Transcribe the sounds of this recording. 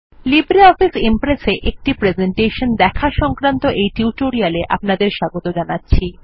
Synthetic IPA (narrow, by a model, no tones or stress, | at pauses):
libɾeɔfisempɾeseʔek̚ʈipɾed͡ʑeɳʈeʃond̪ɛkʰaʃɔŋkɾant̪oʔejʈuuʈoɾialeʔa̰pnad̪eɾʃaɡot̪od͡ʑanatːɕʰi